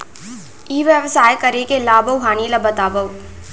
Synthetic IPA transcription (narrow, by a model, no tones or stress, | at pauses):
iːʋjəʋsaːjkɐɾekelaːbʱɐwɦaːnilɐbʱət̪aːbɐw